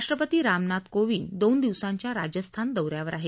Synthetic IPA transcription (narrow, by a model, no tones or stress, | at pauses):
ʂʈɾəpət̪iːɾamnat̪koʋiːnd̪ond̪iʋsãɲt͡ɕjaɾad͡ʑəst̪ʰand̪əwɾjaʋəɾaɦe